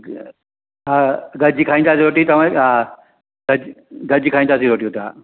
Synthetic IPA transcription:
ɦaɡɐd͡ʒikʰaːĩnd̪aːsiɾoːʈit̪ɐʋ̤ãa | ɡɐd͡ʒ | ɡɐd͡ʑikʰaːĩnd̪aːsĩɾoːʈiot̪a̰ː

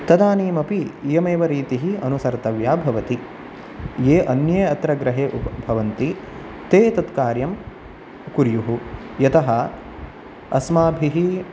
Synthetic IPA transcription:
t̪ɐd̪aːniːmɐpijɐmeːʋɐɾiːt̪iɦiɐnusɐɾt̪ɐʋjaːbʱɐʋɐt̪i | jeːʔɐnjeɐt̪ɾɐɡɾɐɦeːʔupɐbʱɐʋɐnt̪i | t̪eːt̪ɐt̪kaːɾjɐm | kuɾjuɦu | jɐt̪ɐɦɐ | ɐsmaːbʱiɦi

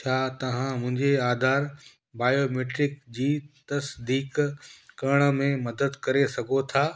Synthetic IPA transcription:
t͡ɕʰaːt̪ɐʋ̤ãmʊ̃ɦɪ̃ɲd͡ʑeaːd̪ʱaːɾ | baːjomeːʈɾɪkd͡ʑiːt̪ɐsd̪iːkkɐɽ̃ə̆mẽmɐd̪əd̪kɐɾesɐɡʱot̪ʰaː

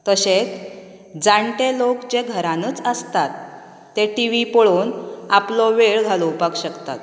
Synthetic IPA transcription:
t̪əɕet͡s | d͡zaɳʈelokt͡ɕeɡʱəɾãnəːt͡səst̪at̪ː | eʈiʋipɔɭonaplɔʋeɭɡʱaloupakɕəkt̪a̰t̪̚

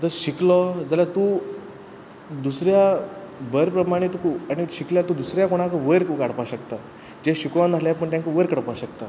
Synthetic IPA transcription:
t̪əɾɕiklɔd͡zaljat̪u | d̪usɾjabəɾpɾəmaɽ̃et̪ukuaɽ̃iɕikljat̪ud̪usɾjakoɽ̃ãkəʋəjɾkukaɽ̤paɕəkt̪a | d͡ʑeɕukʋãnd͡zʱaljapəɳt̪jãŋkəʋəɾkəɽpaɕəkt̪a

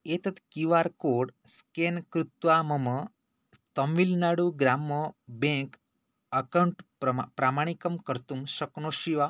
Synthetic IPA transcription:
et̪ɐt̪kiʋaɾkoːɽskenkɾut̪ʋamɐmə | t̪ɐmʋilnaɽuɡɾaːmːəbẽk | ɐkɐɳʈpɾɐpɾamaːɳ̃ikɐmkəɾt̪umʃɐknoʃiʋa

